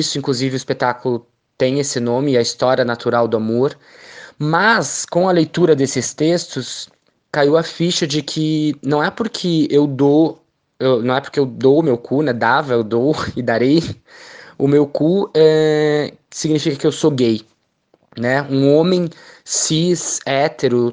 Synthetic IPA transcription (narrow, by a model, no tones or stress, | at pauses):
isʊĩŋkluzivɪʊispet̪akʊlʊ | t̪ẽj̃esɪnõmɪɐist̪ɔɾjɐnat̪uɾawd̪ʊamoɾ | mɐskõɐlejt̪uɾɐd̪esɪst̪est̪ʊs | kaiwɐfiʃɐd͡ʒɪkʰɪnɐ̃w̃ɛpʊɾkʰɪewd̪o | ewnɐ̃w̃ɛpʊɾkeewd̪owʊmewkʰunɛd̪avɐewd̪owɪd̪aɾej | ʊmewkuɛ | ɪ̥siɡnifikɐkɪewsoɡej | nɛũõmẽj̃sisɛt̪eɾʊ